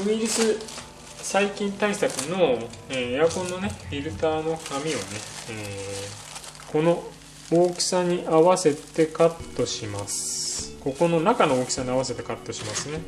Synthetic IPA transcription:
mʲiɾʲisɨ | saikʲĩnt̪aisakɯ̟no̞eːjakõ̞nːo̞ne̞ɸʲiɾɯ̟t̪aːno̞kamʲiβane̞eː | ko̞no̞ | oːkʲi̥saɲ̟iʔaβase̞t̪e̞kat̪ːo̞ɕimasɨ̥ko̞ko̞no̞nakanooːkʲi̥saɲ̟iaβase̞t̪e̞kat̪ːo̞ɕimasɨne̞

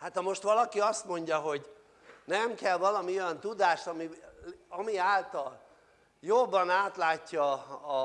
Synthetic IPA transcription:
hat̪ɒmo̞ʃt̪ʋɒlɒkiɒst̪mo̞ɲɟɒɦo̞ɟ | nɛmkɛlvɒlɒmiojɒnt̪ud̪aːʃt̪ɒmiɒmiaːlt̪ɒl | jobːɒnaːt̪laːcːɒː

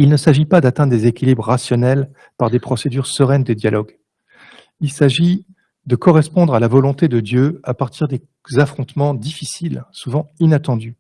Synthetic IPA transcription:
ilnəsaʒipad̪at̪ɛ̃d̪d̪ezekʲilibʁəːasjɔnɛl | paʁd̪epχɔsed̪yʁsəʁɛnd̪əd̪jalʔɔɡ | ilsaʒi | d̪əkɔʁɛspɔ̃d̪ʁalavɔlɔ̃t̪ed̪əd̪jøapaʁt̪iʁd̪e | zafχɔ̃t̪mɑ̃d̪ifisilsuvɑ̃inat̪ɑ̃d̪y

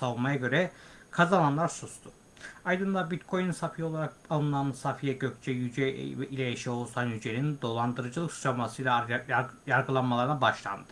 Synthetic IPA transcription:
savunmajaɟø̞ɾɛkʰazananlˠaɾsust̪ʰʊ | ajd̪ɯnd̪abit̪kʰo̞jnunsapʰijo̞lˠaɾakalˠɯnˠansafijɛɟøkʲt͡ʃʰɛjyd͡ʒɛvɛilʲɛjaʃɛolˠsanjyd͡ʒenind̪o̞lˠand̪ɯɾɯd͡ʒɯlˠɯksʰamasɯjlˠajaɾɡɯlˠanmalˠaɾɯnabaʃlˠa̰nd̪ɯ

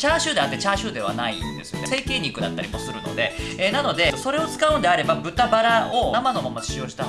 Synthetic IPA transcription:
t͡ɕaːɕɨːd̪eat̪ːet͡ɕaːɕɨːd̪e̞β̞a̰naḭnd̪e̞sɨjo̞nese̞ːke̞ːɲ̟ʲːikɯ̟d̪a̰t̪ːaɾʲimo̞sɨɾɯ̟no̞̰d̪e̞enano̞d̪e̞so̞ɾe̞o̞t͡sɨ̥kaɯ̟̃nd̪eaɾe̞babɯ̟t̪abaɾao̞amano̞mamːat͡ɕi̥ɕio̞ːʑi̥t̪a

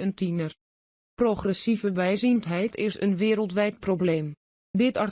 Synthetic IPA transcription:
əntinər | proχrɛsivəʋɛjzintɦɛjtʰɪsə̰nʋɪːɾəlˠtʋɛjt̚probleːm | dɪtɑɹ

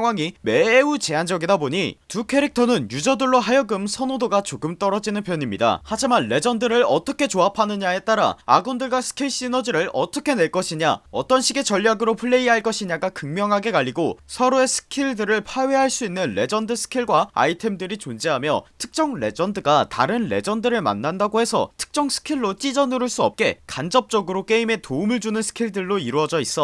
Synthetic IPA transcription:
aŋɦwaŋime̞ut͡ɕe̞and͡ʑʌɡidaboɲitukʰe̞ɾik̚tʰʌnɯnjud͡ʑʌdɯɭːoɦajʌɡɯmsʰʌnodoɡat͡ɕoɡɯmt͈ʌɾʌd͡ʑinɯnpjʌɲimɲḭda̰had͡ʑimanːe̞d͡ʑʌndɯɾɯɭʌt͈ʌkʰe̞t͡ɕoapʰanɯɲae̞t͈aɾa̰a̰ɡondɯɭɡwasʰɯ̥kʰiɭɕ͈inʌd͡ʑiɾɯɭʌ̰t͈ʌkʰe̞ne̞ɭk͈ʌɕʰiɲa̰ʌ̰t͈ʌnɕʰiɡe̞t͡ɕʌʎːaɡɯɾopʰɯɭːe̞iɦaɭk͈ʌɕʰiɲaɡakɯŋmjʌŋɦaɡe̞kaʎːiɡosʰʌɾoe̞sʰɯ̥kʰiɭdɯɾɯɭpʰaɥeɦaɭs͈uinːɯnɾe̞̰d͡ʑʌndɯsʰɯ̥kʰiɭɡwaa̰itʰe̞mdɯɾit͡ɕond͡ʑeɦamjʌ̰tʰɯ̥k̚t͡ɕ͈ʌŋɾe̞̰d͡ʑʌndɯɡata̰ɾɯnle̞d͡ʑʌndɯɾɯɭma̰nːandaɡoɦe̞sʰʌ̰tʰɯ̥k̚t͡ɕ͈ʌŋsʰɯ̥kʰiɭːot͡ɕ͈id͡ʑʌnɯɾɯɭs͈uʌ̰p̚k͈e̞kand͡ʑʌp̚t͡ɕ͈ʌɡɯɾok͈e̞ime̞toumɯɭd͡ʑunɯnsʰɯ̥kʰiɭdɯɭːoiɾuʌd͡ʑʌis͈ʌ

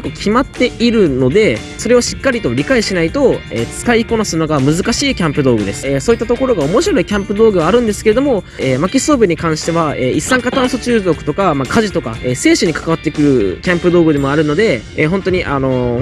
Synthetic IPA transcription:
kokʲʰimat̪ːe̞iɾɯ̟no̞d̪e̞ | so̞ɾe̞oɕi̥kːaɾʲit̪o̞ɾʲikaiɕinait̪o̞ḛːt͡sɨ̥kaiko̞nasɨɯnoɡamɯ̟zɨkaɕiːkʲãmpɯ̟d̪o̞ːɡɯ̟d̪e̞sɨ̥eːso̞ːit̪ːat̪o̞ko̞ɾo̞ɡao̞mo̞ɕiɾo̞ikʲãmpɯ̟d̪oːɡɯ̟βaːɾɯ̟̃nd̪esɨ̥keed̪o̞mo̞ | eːmakʲiso̞ːbɯ̟ɲ̟ikãɰ̃ɕi̥t̪e̞β̞aeːisːãŋkat̪ãɰ̃so̞t͡ɕɨːzo̞kɯ̟̥t̪o̞kamakʰaʑit̪o̞ka̰eːse̞ːɕoɲ̟ikḁkaβ̞at̪ːekɯ̟ɾɯ̟kʲãmpɯ̟d̪o̞ːɡɯ̟d̪e̞mo̞aɾɯ̟no̞d̪e̞eːɦõ̞nt̪o̞ɲ̟iʔano̞

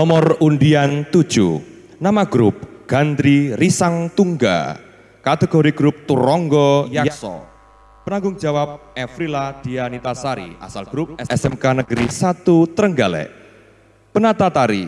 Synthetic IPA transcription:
nɔmɔrunɖiant̪ud̥ʒ̥ṵ | namaɡ̥ɾup̚ɡ̥and̪ɾirisaŋt̪uŋɡa̰ | kat̪eɡ̥ɔɾiɡ̥ɾup̚t̪uɾɔŋɡɔjajasɔ̰ | pənaŋɡʊŋd͡ʒ̥a̤wap̚ɛfɾilad̪̥i̤anit̪asaɾḭa̰salɡ̥ɾup̚ɛɛsɛmkanəɡ̥əɾisat̪ut̪əɾəŋɡalɛ̰ʔ | pənat̪at̪aɾḭ

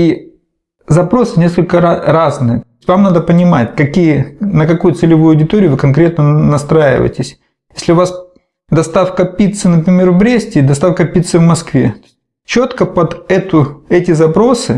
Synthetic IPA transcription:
i | zɐpɾo̞sɨnʲeskəlʲkəaraznɨjəotʲvamnad̪əpənʲɪmatʲkɐkʲijənəkɐkujʊt̪sɨlʲɪvujʊɐdʲɪt̪oɾʲɪʊvɨkɐnkɾʲet̪̚nənɐst̪ɾajɪ̰və̰ɪtʲɪsʲ | jesʲlʲɪʊvas | d̪ɐst̪afkɐpʲit̪sɨnəpɾʲɪmʲe̞rvbɾʲesʲtʲɪd̪ɐst̪afkəpʲit̪sɨvmɐskvʲe̞t̪o | t͡ɕot̪kəpɐd̪ɛt̪ʊɛtʲɪzɐpɾo̞sɨ

